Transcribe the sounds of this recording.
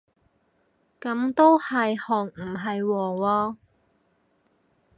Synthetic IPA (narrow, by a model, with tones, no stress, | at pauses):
kɐ˨˥mt̪o˥whɐ˨jhɔː˨˩ŋm̩˨˩ɦɐ˨jwɔː˨˩wɔː˧